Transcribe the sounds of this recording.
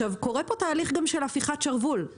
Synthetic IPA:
avko̞ʁepo̞t̪aːliχɡamʃelafiχatt͡ʃaʁvul

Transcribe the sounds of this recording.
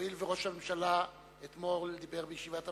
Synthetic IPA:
ilveʁo̞ʃhamemʃala | et̪mo̞ʁled̪ibe̞ʁbejeʃivata

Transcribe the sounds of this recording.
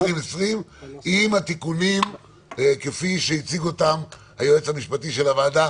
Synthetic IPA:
imesʁimimhat̪ikunim | ekefiʃeit͡siɡuotam | hajuet͡shamiʃpatiʃelavaːda

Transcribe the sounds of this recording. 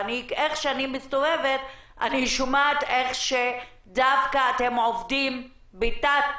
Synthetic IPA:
nieχʃeanimist̪oveveta̰niʃumat̪eχʃe | davkaːtemʕovdim | bitat

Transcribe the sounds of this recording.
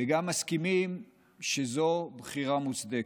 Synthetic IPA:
eɡamːaskimim | ʃezobχiʁamut͡sd̪e

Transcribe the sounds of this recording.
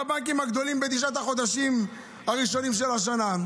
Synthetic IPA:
abaŋk̬imaɡd̪o̞limbed̪iʃ̬at̪aχo̞d̪aʃim | haʁiʃo̞nimʃ̬e̞laʃ̬ana

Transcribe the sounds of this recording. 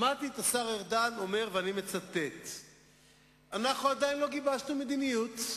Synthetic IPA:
mat̪it̪asaʁeʁd̪ano̞me̞ʁveanime̞t͡sat̪e̞t̪ | anaχnuad̪ainlo̞ɡibaʃnumed̪inijut̪

